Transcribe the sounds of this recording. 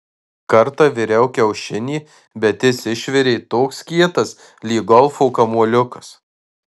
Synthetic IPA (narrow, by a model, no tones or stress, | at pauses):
kɐɾt̪ɑʋʲɪɾʲɛʊkʲɛʊʃʲɪnʲiː | bʲɛt̪ʲɪsʲɪʃʲʋʲɪɾʲeɪt̪oːkskʲiɛt̪ɐs | lʲiːɡɔlˠfoːkɐmuɔlʲʊkɐ̥s